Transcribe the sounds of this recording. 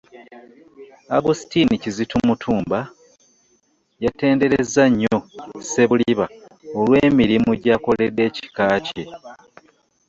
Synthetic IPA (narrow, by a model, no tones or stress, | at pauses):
aɡusi̥tinicizitumutʰuːmba | jate̞ːnde̞ɾezːaɲːo̞se̞βuliβaolwe̞ːmiɾimuɟako̞le̞dːe̞ːci̥kaːce